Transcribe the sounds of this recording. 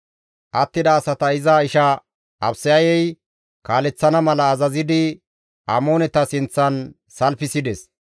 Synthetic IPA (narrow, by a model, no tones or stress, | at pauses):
ʔɐt̪ːɪd̪ɐːsɐt̪ɐɪzɐɪʃɐ | ʔɐbsɪjɐjɛj | kaːlɛt͡sːɐnɐmɐlɐːzɐzɪd̪ɪ | ʔɐ̰mo̞ːnɛt̪ɐsɪnt͡sːɐn | sɐlfɪsɪd̪ɛs